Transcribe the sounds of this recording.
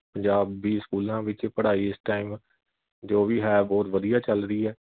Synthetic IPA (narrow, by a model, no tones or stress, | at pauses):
pəɲd͡ʒaːbːiːskuːlãːʋɪt͡ʃpəɽaːiːɪsʈaːim | d͡ʒoːbiːɦɛːbɔːt̪ʋəd̪ijaːt͡ʃəlɾiːɦɛː